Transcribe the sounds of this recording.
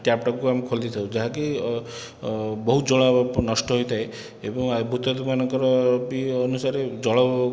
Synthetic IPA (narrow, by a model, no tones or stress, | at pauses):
ʈjap̚ʈɔkkuamekʰold̪it̪ʰaw̃d͡ʒaɦaki | bɔɦud͡ʒɔɭ̃ɔnɔsʈɔɦojt̪ʰaj | ebɔŋabʱut̪ɔd̪uanɔŋkɔɾɔbiːnusaɾed͡ʒɔɭɔ